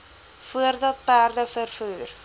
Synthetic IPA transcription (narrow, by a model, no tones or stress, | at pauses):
fuərdɑt̪̚pæːrd̪əfərfyːr